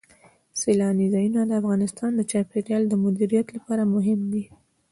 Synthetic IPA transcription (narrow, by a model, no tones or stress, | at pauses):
selɑnizɑjunad̪əafɣɑnɪst̪ɑnd̪ət͡ʃɑpeɾjɑld̪əmʊd̪iɾijat̪lapɑɾamʊɦɪmd̪i